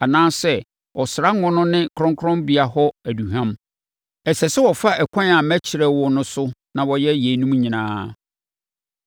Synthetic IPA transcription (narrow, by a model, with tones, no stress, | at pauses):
a˨nãː˦sɛ˦ | wʔɔ˨sɪ˨ɾa˦ŋɔ̃˦nʊ̃˦nɪ̃˦kʰɾɔ̃˦ŋkʰɾɔ̃˦mbi˨a˨hɔ˦æ˨du˨ɦã˦m | ɛ˨sɛ˨sɛ˦wɔ˨fa˦ʔɛ˨kʷʰɔ̃˦n˦a˨mæ˦t͡ɕʰɪ˨ɾɛ˦wɔ˨nʊ̃˦sʊ˦nã˨wɔ˨jɛ˦je˨˦nũ˦m˦ɲĩ˨nã̰ː˦